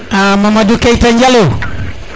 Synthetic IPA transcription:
amamadukaitaɲd͡ʒalo

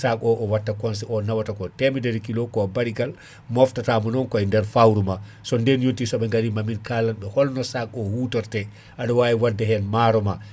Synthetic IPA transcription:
sakɔʔɔwatːakɔns̬ɛʔɔnawatakɔtɛmidɛɾkilɔkɔbaɾiɡal | mɔftatamɔnɔnkɔɛndɛɾfawɾuma | sɔndɛnjontisɔɓɛŋɡaɾimaminkaːlanɓɛhɔlnɔsakɔhuːtɔɾtɛ | ʔaɗɔwaːiwadːɛɦɛnmaːɾɔma

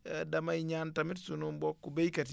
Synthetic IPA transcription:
dɐmaɲaːntamitsunumbɔkːubejkati

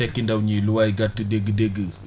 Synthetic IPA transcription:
ekːindawɲiluwaiɡatideɡədeɡə

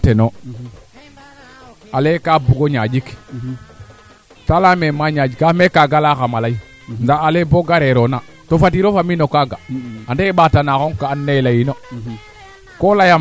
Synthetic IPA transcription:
teno | alekabuɡoɲad͡ʒik | talamemaɲad͡ʒikamekaɡalakamalai | ndaaleboɡaɾeɾona | tofat̬iɾofaminokaɡaandeɓatanakoŋkaːnːelajino | kolaja

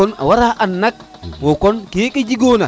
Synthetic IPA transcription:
ɔna̰waɾaʔanːak̚wɔkɔnkijeked͡ʒiɡona

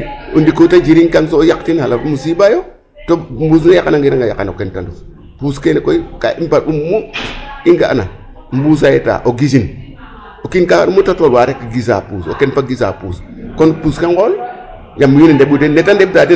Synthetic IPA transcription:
undikotad͡ʒiɾiŋkans̬oːjaktinhalamusibajo | tombuːs̬najakanaŋɡiɾaŋɡaja̰ka̰no̰kentandu | puskenekoika̰impaɾumːuiŋɡaʔa̰na̰ | m̩bus̬ajeta̰ʔoɡis̬in | okinkaa̰umːutatolwaɾekiɡis̬a̰puːso̰kenfaɡis̬a̰pṵːskonpuskaŋkol | jamːujinindebudenːetandeb̚tati

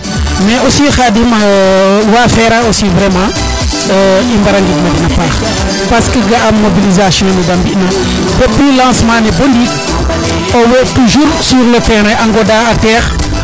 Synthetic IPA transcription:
mɛosiːxadimawafɛɾaosivɾɛmãː | imbaɾaŋɡitmɐɡinɐpaːχ | paskəɡaamːobilizasjɔ̃nuɡambiʔnɐ | bɔplilãːsmãːnɛbondik | owɛtuʒuːɾsyɾlətɛɾɛaŋɡɔdaatɛːx

